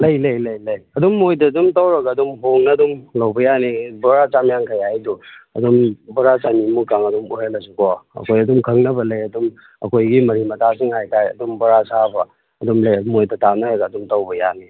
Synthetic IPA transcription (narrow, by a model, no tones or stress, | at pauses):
lɐjlɐjlɐjlɐjɐdumːojdɐːdumtawɾɐɡɐːdumɦoŋnɐdumlɐwbɐjanibɐɾat͡ʃamjaŋkʰajajduɐ̰dumbɐɾat͡ʃanimukːaŋɐdumuhelɐsukʰɔɐ̰kʰojɐdumkʰɐŋnɐbɐlɐjɐdum | ɐ̰kʰojɡimɐɾimɐtʰasiŋhajtʰajɐ̰dumbɐɾasabɐ | ɐdumlɐjmojdɐtanɐɾɐɡɐːdumtawbɐja̰ni